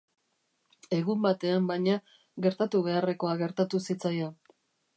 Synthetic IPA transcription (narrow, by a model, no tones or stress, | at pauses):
e̞ɣumbat̪e̞ambajɲa | ɣe̞ɾt̪at̪uβe̞are̞ko̞aɣe̞ɾt̪at̪usit͡saja